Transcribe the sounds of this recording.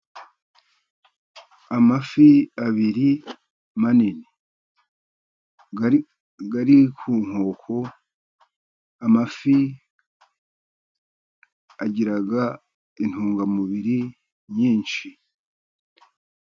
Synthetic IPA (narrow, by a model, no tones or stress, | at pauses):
amafiaβiɾi | manini | ɡaɾikʰuːŋ̥ho̞ːkʰo | amafi | aɟiɾaɡa | in̥huːŋɡamuβiɾi | ɲiːnʃi